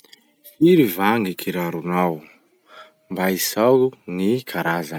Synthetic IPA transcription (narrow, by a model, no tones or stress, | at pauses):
fiɾivaŋɡikʰiɾaɾunaw | mbaisaunikʰaɾaza